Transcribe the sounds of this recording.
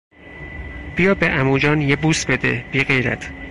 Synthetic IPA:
b̥ijɒːbeʔæmuːd͡ʒɒːnjebuːst̪̚be̞d̪ḛb̥iːɢejɾæ̰t̪ʰ

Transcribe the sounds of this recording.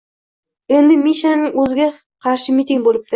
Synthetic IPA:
end̪ɪmiʃanɪŋɵzɪɡʲe | qʰɑɾʃɪmit̪ʲɪŋbolˠɪp̚t̪ɪ

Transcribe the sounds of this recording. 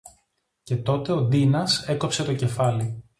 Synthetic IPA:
ce̞t̪o̞t̪e̞o̞d̪inɐse̞ko̞pse̞t̪o̞ce̞fɐli

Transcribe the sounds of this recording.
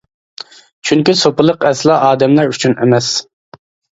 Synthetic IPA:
t͡ʃʰyŋkʲisopɨlˠəqɛslˠɑʔɑːd̪ɛmlæɾyt͡ʃʰynʔɪ̰mɛs

